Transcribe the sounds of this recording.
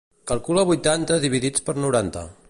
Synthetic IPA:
kəlˠkuləβujt̪ant̪əðiβ̞iðit͡spəɾnuɾant̪ə̰

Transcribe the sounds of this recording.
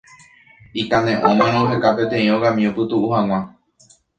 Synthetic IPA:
ikãnẽ̞ʔõmẽnõɦekape̞t̪ẽ̞ĩoɡamĩopɨt̪uʔuhãŋ̃ʷã

